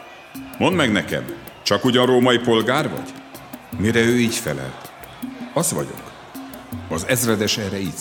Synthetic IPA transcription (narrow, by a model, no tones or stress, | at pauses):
mond̪mɛɡnɛkɛ̰m | t͡ʃɒkuɟɒnroːmɒjipo̞lɡaːrvɒ̰ɟ̥miɾɛøːiːcfɛlɛ̰l | ɒzʋɒ̰ɟo̞̰k | ɒzɛzrɛd̪ɛʃɛːɾɛiːt̪